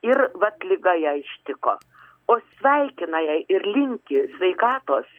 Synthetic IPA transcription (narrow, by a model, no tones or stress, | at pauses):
ɪrʋɐt̪lʲɪɡɐjɛːɪʃʲt̪ʲɪko̰ː | oːsʲʋʲɛɪkʲɪnɐjɛɪʔɪrlʲɪŋʲkʲɪsʲʋʲɛɪkɑːt̪oːs